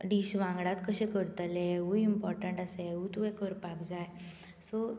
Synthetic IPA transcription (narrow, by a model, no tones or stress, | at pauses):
ɖiɕʋãŋɡɭat̪kəɕẽkəɾt̪əleɦuimpɔɾʈəɳʈaseɦut̪uẽkəɾpakd͡zaj | sɔ